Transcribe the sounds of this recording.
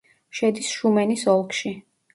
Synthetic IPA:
ʃɛd̪isʃumɛnisɔlˠkʰʃi

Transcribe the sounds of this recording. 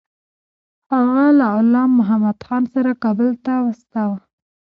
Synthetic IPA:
haɣalaʊlɑmːʊɦamad̪xɑnsaɾakɑbəlt̪awast̪awa

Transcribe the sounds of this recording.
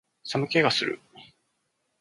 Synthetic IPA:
samɯ̟ke̞ɡasɨɾɯ̰

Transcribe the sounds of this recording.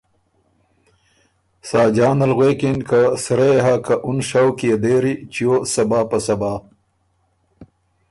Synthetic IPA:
saːd͡ʑaːnɐlɣweːkinkasɾeɦakɐʔunʂawkied̪eːɾit͡ɕijoːsɐbaːpɐsɐbaː

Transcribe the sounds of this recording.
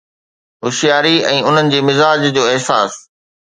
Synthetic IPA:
ɦʊʃijaːɾiɛ̃ːʊn̤ənɪ̆d͡ʑeːmɪzaːd͡ʑd͡ʑoːɪɦsaːs

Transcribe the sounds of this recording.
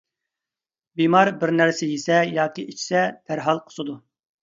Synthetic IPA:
bimɑɾbɪɾnæɾsɛjesɛjɑːkʲiit͡ʃʰi̥sɛd̪̥æɾɦɑlˠqʰə̥sɨd̪u

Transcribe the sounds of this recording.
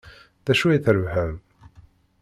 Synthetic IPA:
ðæʃujiθɾəvhəv

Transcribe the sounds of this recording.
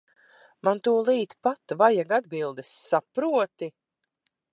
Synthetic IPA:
mant̪uːɔlˠiːt̪pat̪vajaɡad̪bilˠd̪ɛsːapɾuɔt̪i

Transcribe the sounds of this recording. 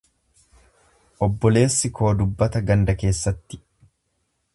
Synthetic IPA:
ʔɔbːɔle̞ːsːɪkʰo̞ːd̪ʊbːɐt̪ɐɡɐnd̪ɐke̞ːsːɐt̪ːɪ̥

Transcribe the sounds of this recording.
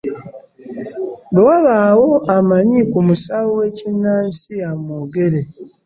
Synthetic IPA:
bewaβaːwo̞amaɲikumusawowe̞cinːaːnsijamoːɡe̞ɾe

